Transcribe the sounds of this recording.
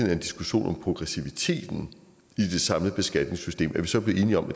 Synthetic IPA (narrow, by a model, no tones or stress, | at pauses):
næɐe̝nd̥isɡ̥uɕo̝̰ːnʔɒ̽mpʰʁo̝ɡ̥ʁɛsiʋit͡sʰe̝̰ːd̥n̩ | id̥e̝sɑ̈mləb̥e̝sɡ̥æd̥ne̝ŋsysd̥e̝̰ːmʔæɐʋisɒ̽b̥le̝ð̩ˠe̝ːniɒ̽mʔæ̥